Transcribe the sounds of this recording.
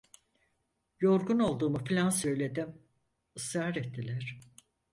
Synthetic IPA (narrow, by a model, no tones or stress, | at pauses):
jo̞ɾɡuno̞lˠd̪uːmufilʲansø̞jlʲe̞d̪im | ɯsɾaːɾɛt̪ʰːilʲæɾ̥